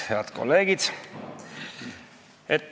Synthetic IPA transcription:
heɑd̪̥ko̰lːe̞ːɡ̥id̪̥ | et̪ː

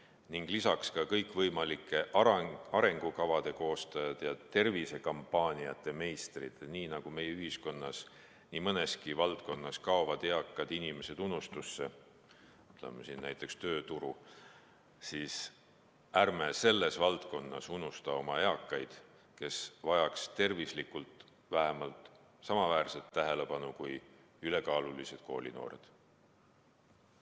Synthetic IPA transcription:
niŋɡ̥lisɑkskɑkɤjkːˑvɤjmɑlikːˑe̞ʔɑɾe̞ŋɡ̥ukɑvɑd̪̥e̞ko̞ːst̪ɑjɑd̪̥jɑt̪e̞rvise̞kɑmpːˑɑːnʲiɑ̰t̪ːˑe̞me̞jst̪rid̪̥niːnɑɡ̥ume̞jyɦisko̞nːɑs | niːmɤne̞skivɑlt̪̚ko̞nːɑskɑovɑd̪̥e̞ɑkˑːɑd̪̥inime̞se̞d̪̥unːust̪usːe̞ | t̪lḛmːesinnæjt̪ːˑe̞kst̪ø̞ːt̪uɾu | siːs | ærmese̞lːe̞svɑlt̪ko̞nːɑsunːust̪ɑo̞mɑe̞ɑkːˑɑjd̪̥ | ke̞svɑjɑkst̪e̞rvislikult̪ˑ | væɦemɑlt̪ˑ | sɑmɑvæːrset̪ːæɦe̞le̞pɑnukuj | yle̞kɑːlulise̞d̪̥̚koːlḭno̞̰ːɾe̞̰d̪̥

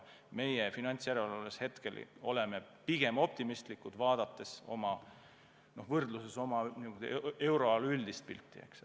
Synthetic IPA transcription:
me̞jefinɑnʲt̪sjæɾelɑleshe̞t̪ke̞̰lo̞le̞mepiɡ̥e̞mo̞p̚t̪imist̪likːˑud̪̥vɑːd̪̥ɑt̪ːˑe̞so̞̰mɑ | no̞hvɤrd̪luse̞so̞mɑniɡud̪e̞wɾo̞ɑlyld̪ist̪̚pḭlt̪ˑːiḛks

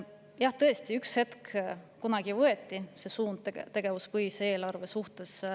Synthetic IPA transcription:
jɑht̪ɤ̞est̪iykshe̞t̪kkunɑɡ̥ivɤe̞t̪ːˑise̞suːnt̪e̞ɡ̥evuspɤjisee̞ːlɑrve̞suht̪e̞s

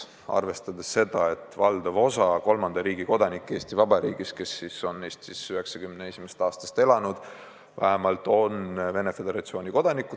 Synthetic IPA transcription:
ɑ̰rve̞st̪ɑd̪esːe̞d̪̥ɑe̞t̪ːˑvɑld̪̥ɑvo̞sɑko̞lmɑnd̪̥ɑɾiːɡ̥iko̞d̪ɑnikːˑe̞ːst̪ivɑbɑɾḭːɡ̥iske̞sːiso̞neːst̪sisyɦe̞ksɑkymnee̞sʲimest̪ɑːst̪ɑ̥st̪e̞lɑnud̪̥ | væɦemɑlt̪ːˑo̞nve̞ne̞fe̞d̪e̞ɾɑt̪sio̞ːnʲiko̞d̪̥ɑnikːˑu

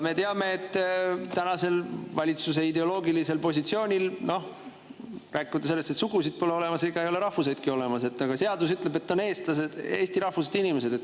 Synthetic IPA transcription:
me̞t̪eɑme̞ːt̪ːt̪ænɑse̞lvɑlʲit̪suse̞id̪e̞o̞lo̞ːɡilise̞lpo̞sʲit̪sio̞ːnʲilno̞h | ræːkːud̪̥ɑse̞lːest̪et̪suɡusid̪̥̚po̞leo̞le̞mɑseɡ̥ɑejo̞le̞ɾɑhvuse̞jd̪̥̚kio̞le̞mɑse̞t̪ːˑɑɡ̥ɑse̞ɑd̪usyt̪ˑle̞be̞t̪ːoneːst̪ɑsed̪̥e̞ːsʲt̪iɾɑhvused̪̥inime̞s̬e̞d̪̥e̞t̪ːˑ

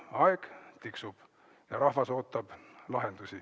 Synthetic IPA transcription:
ɑeɡ̥t̪iksub̥ | jɑɾɑhvɑso̞ːt̪ːˑɑb̥lɑɦe̞nd̪usʲi

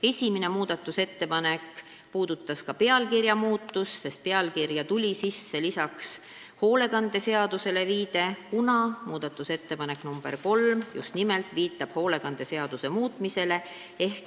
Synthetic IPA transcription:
e̞sʲimene̞muːd̪̥ɑt̪ːˑuse̞t̪ːe̞pɑnek | puːd̪̥ut̪ːˑɑskɑpeɑlkirjɑmuːt̪ːusːe̞st̪̚pe̞ɑlkirjɑt̪ulʲisisːe̞lisɑks | ho̞ːle̞ɡɑnd̪̥e̞se̞ɑd̪̥use̞le̞viːd̪̥e̞kunɑmuːd̪̥ɑt̪ːˑuse̞t̪ːe̞pɑne̞knumb̥e̞̰rko̞lmjṵst̪nimelt̪ˑviːt̪ːˑɑb̥ho̞ːle̞ɡɑnd̪̥e̞se̞ɑd̪̥use̞muːt̪ˑmise̞le̞ | e̞hk

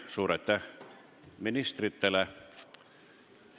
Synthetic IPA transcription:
suːɾet̪ːæ | minist̪rit̪ːelæ

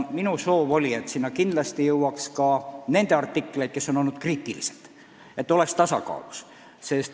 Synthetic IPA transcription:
minuso̞ːvo̞lʲiet̪sinːɑkind̪lɑst̪ijɤwɑkskɑne̞nd̪̥e̞ɑrt̪ːˑikːˑlejt̪̚ke̞sːo̞nolnut̪̚kriːt̪ːˑiliselt̪ | e̞t̪ːˑo̞le̞kst̪ɑsɑ̰kɑ̰ːlus | sest̪

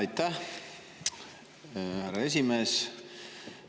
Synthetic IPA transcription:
jt̪ːæh | hæɾɑe̞s̬ʲimeːs

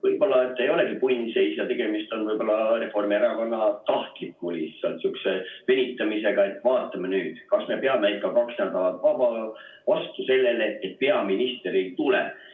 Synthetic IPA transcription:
vɤjb̥o̞lːɑet̪ːe̞jo̞le̞ɡipujnise̞jsjɑt̪e̞ɡ̥e̞mist̪o̞nvɤjbo̞lːɑre̞fo̞rmieɾɑkɑnːɑt̪ɑhk̪ipmulʲisːɑlt̪syksevenʲit̪ːˑɑmise̞ɡ̥ɑe̞t̪ːˑvɑːt̪ːˑɑmɑnyːd̪̥kɑsme̞peɑmeæikːˑɑkɑksnæd̪ɑɑt̪vɑbɑvɑst̪use̞lːe̞leet̪̚pe̞ɑminist̪eɾit̪ulɛ̰

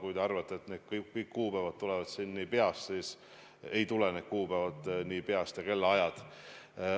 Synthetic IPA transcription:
kujt̪eɑrvɑt̪ːˑeet̪neːd̪̥kkkɯjkːuːpævɑd̪̥̚t̪ːulɛvɑd̪̥sinːiːpe̞ɑst̪siːs | e̞jt̪ulene̞d̪̥̚kuːpævɑd̪niːpe̞ɑst̪jɑke̞lːeɑjɑd̪̥

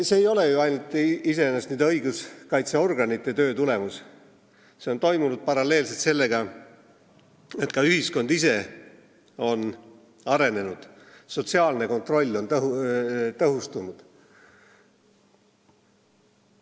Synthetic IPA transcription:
se̞ːjo̞le̞juɑjnult̪ːise̞enːɑst̪niːd̪ɤjɡuskɑjt̪seo̞rɡ̥ɑnit̪ˑːe̞t̪ø̞ːt̪ule̞mus | seo̞nt̪o̞jmunud̪̥̚pɑɾɑlːe̞ːlse̞lt̪se̞lːe̞ɡ̥ɑ | e̞t̪ˑkɑyɦisko̞nd̪̥ise̞ | o̞n | ɑɾe̞ne̞nud̪̥ | so̞t̪siɑːlne̞ko̞nt̪ro̞lʲːo̞nt̪ut̪ɤɦust̪unud̪̥

